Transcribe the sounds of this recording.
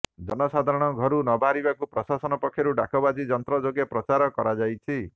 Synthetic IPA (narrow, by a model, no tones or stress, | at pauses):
d͡ʒɔnɔsad̪ʱaɾɔɽ̃ɔɡʱɔɾunɔbʱaɾibakupɾɔsasɔnɔpɔkʰːjɔɾuɖakɔbad͡ʒid͡ʒɔnt̪ɾɔd͡ʒoɡepɾɔt͡ʃaɾɔkɔɾad͡ʒajt͡ʃʰi